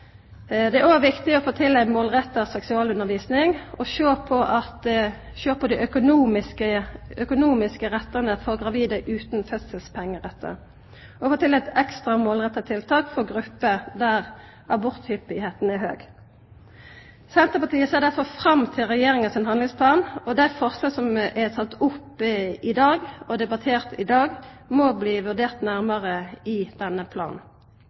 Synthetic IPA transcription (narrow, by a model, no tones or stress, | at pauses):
d̪ɛæɾoːʋɪkt̪ɪɔfoːt̪ʰɪlːæɪmoːlʁɛt̪ːəsɛksʉɑːlʉnəʁʋiːsnɪŋɔʃøːpʰɔʔɑt̪ | ʃøːpɔd̪iʔœkʊnuːmɪskəœkʊnuːmɪskəʁɛt̪ːənəfɔʁɡʁɑʋiːd̪əʔʉːt̪nfœt̪səlspʰɛŋːəʁɛt̪ʰːə̰ | ɔfoːt̪ɪlːɛɪt̪ɛkst̪ʁɑmoːlʁɛt̪ːɑt̪ʰɪlt̪ʰɑːkfɔʁɡʁʉpːəd̪æʁ | ʔɑbɔʁt̪hʏpɪheːt̪n̩æhøːɡ | sɛnt̪əpɑʁt̪ʰiːəseːʁdæʁfɔʁfɾɑmt̪ʰɪlʁɛjeːʁɪŋɑsɪnɦɑnɪŋspʰlɑːnɔd̪æɪfɔʁsloːsɔmʔɛt̪ʰɑt̪ʊpːɪd̪ɑːɡɔd̪ɛbɑt̪ʰeːʁt̪ɪd̪ɑːɡmɔbliːʋʉʁd̪eːʁt̪næʁməʁəɪd̪̥ɛnːəpʰlɑ̰ːn̩